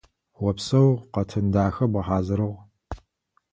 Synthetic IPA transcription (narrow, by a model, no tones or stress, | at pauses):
wɔpsɐwqɐtʰɨndaːxɐbɐħaːzɨɾɨʁ